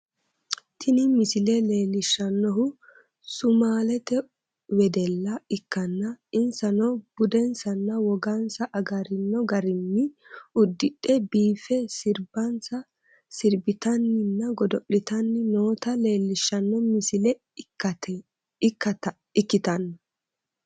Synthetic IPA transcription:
t̪ʰɪnɪmɪsɪlɛleːlːɪʃːɐnːɔɦʊ | sʊmaːlɛt̪ɛ | wɛd̪ɛlːɐɪkːɐnːɐɪnsɐnɔb̥ʊd̪ɛnsɐnːɐwɔɡɐnsɐʔɐɡɐɾɪnːɔɡɐɾɪnːɪʊd̪ːɪɗɛbiːfɛsɪɾbɐnsɐ | sɪɾbɪt̪ɐnːɪnːɐɡɔd̪ɔʔɪt̪ɐnːɪnoːt̪ɐle̞ːlːɪʃːɐnːɔmɪsɪlɛ | ɐt̪ | ɪkːɐt̪ | ɪkːɪt̪ɐnːɐ

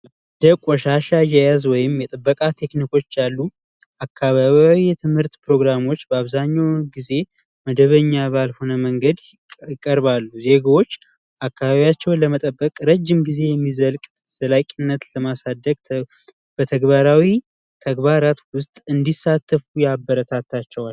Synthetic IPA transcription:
d̪əkʼɔʃaʃajɛjazwɔjɪmjɛt̪ʼɨbːəkʼat̪ʰe̞kniko̞t͡ʃːalːu | akʰːaβaβjawijɛt̪ʰɨmhɨɾt̪pɾo̞ɡɾamo̞t͡ʃːbəaβzaɲːawɡize̞ | məd̪əβəɲːaβalho̞nəməŋɡəd̪ | ɪkʼəɾbalːuze̞ɡawo̞t͡ʃː | akːaβaβijat͡ʃːɛwnləmət̪ʼəbːəkʼɾəd͡ʒːɪmɡize̞jɛmːizəlkʼ | səlakʼɪnːət̪ləmasad̪ːəɡ | b̥ət̪ʰəɡbaɾawi | t̪ʰəɡbaɾat̪wʊst̪ʼɨnd̪isat̪ʰːəfujabːəɾət̪ʰat̪ːat͡ʃːɛwal

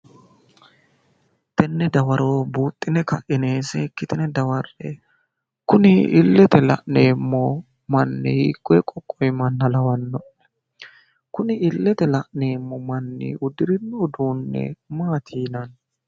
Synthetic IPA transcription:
t̪ɛnːɛd̪ɐwɐɾoːbuːt̪ʼːɪnɛkɐʔɪneːsɛkːɪt̪ɪnɛd̪ɐwɐrɛ̰ | kʊnɪɪlːɛt̪ɛlɐ̰ʔneːmːɔ | mɐnːɛhḭːkʼːɔɛkʼɔkʼːɔjmɐnːɐlɐwɐnːɔʔ | kʊnɪɪlːɛt̪ɛlɐʔneːmːɔmɐnːɪ̰ʔʊd̪ɪɾɪnːoːd̪uːnːɛ̰maːt̪ʰiːnɐn

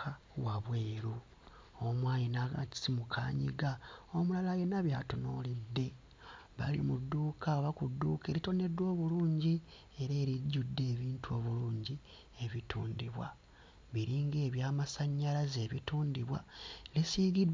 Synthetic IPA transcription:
a | waβweːɾu | omwaːjinaɡa̰i̥simukʰa̰ɲḭɡaomulalajenaβjatono̰lidːe̞ | βa̰lḭmudːuːkʰaoβakudːuke̞ːɾito̞ne̞dwo̞ːβuluːɲɟi | e̞ɾeːɾiɟːudːe̞ːβiːntuo̞βuluːɲɟi | e̞βitʰuːndiβwa̰ | βiɾiːŋɡe̞ːβjaːmasaɲːalaze̞ːβituːndiβwa̰lisiɡid

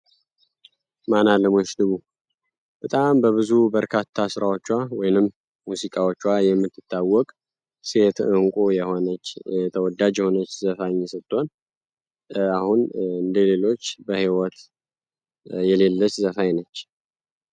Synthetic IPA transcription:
manaləmot͡ʃd̪ɨβu | b̥ət̪ʼambəβɨzubəɾkʰat̪ʰːasɨɾawo̞t͡ʃːwawɔjnɨmː | usikʼawot͡ʃːwajɛmːɨt̪ːɨt̪ʰːawːɔkʼ | se̞t̪ɨŋkʼojɛhonət͡ʃːɛt̪ʰəwɔd̪ad͡ʒjɛho̞nət͡ʃːzəfaɲːsət̪ʼːon | ahunɨnd̪ele̞lo̞t͡ʃːbəhiwɔt̪ | jɛle̞lːət͡ʃːzəfajnət͡ʃː

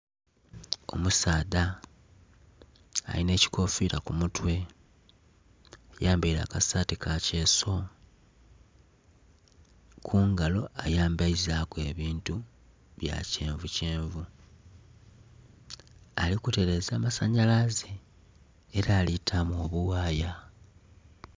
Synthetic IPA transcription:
o̞̰musaːda | a̰line̞ːci̥kʰo̞fiɾakumutwe̞ | jaːmbaiɾa̰ːkasatikace̞ːso̞ | kʰuːŋɡalo̞ʔajaːmbaizaːkwe̞ːβiːntu | βja̰ceːɱvuceːɱvu | a̰likute̞ɾe̞zaːmasaɲalazeː | ɾaːlitʰamuo̞βuwaːja

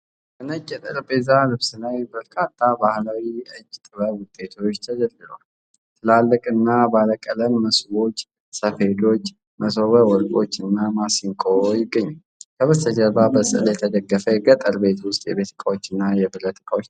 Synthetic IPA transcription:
kənəkʼɛt̪ʼɨɾbezalɨβsɨlajbəɾkʰat̪ʰːabahlawiɨd͡ʒːt̪ʼɨβəwʊt̪ʼːe̞t̪ʰo̞t͡ʃːt̪ʰəd͡ʒəlːɨl̰all | t̪ʰɨlalːəkʼɨnːabaləkʼːələmːəsbo̞t͡ʃː | səfe̞lo̞t͡ʃː | məsoβəwɔɾkʼo̞t͡ʃːɨnːamasiŋkʼojɪɡːəɲːa | kʰəβəst̪ʰəd͡ʒəbabəsʼɨɨ̰ljɛt̪ʰəd̪əɡːəfəɛɡət̪ʼəɾbe̞t̪wʊst̪ʼjɛbe̞t̪ʰɨ̥kʼawo̞t͡ʃːɨnːajɛbɨɾət̪ɨkʼawot͡ʃː

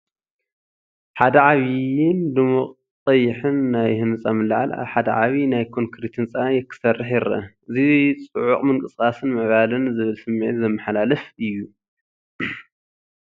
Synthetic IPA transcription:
ħad̪ɐʕaβiɪnd̪ɨmuqʼ | t̪ʼɐjɪħɨnːajhɨnsʼamɨlːaʕa̰la̰βħad̪ɐ̰ʕaβinajkʰoŋkʰɾit̪hɨnt͡sʼanjɛkʰːɨ̥sɐrːɨħjɪɾɐ̰ | ɨzit͡sʼɨʕuχʼmɨŋkʼɨsʼkʼasɨnmɨʕβalɨnzɨβɨlsɨmːḛt̪zɐmːɨħalalɐfɨjːu

